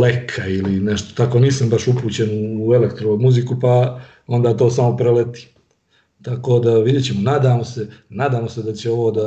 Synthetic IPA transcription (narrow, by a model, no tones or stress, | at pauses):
lekʰailineʃt̪o̥t̪ako̞ːniːsambaʃupuːt͡ɕenuːe̞lekt̪ɾoomuzikupa | o̞nd̪aːt̪o̞ːsamo̞pɾelet̪i̥ː | t̪ako̞ːd̪aʋid̪jet͡ɕemonaːd̪aːmosenaːd̪aːmo̞se̞d̪at͡ɕeo̞ʋo̞ːd̪a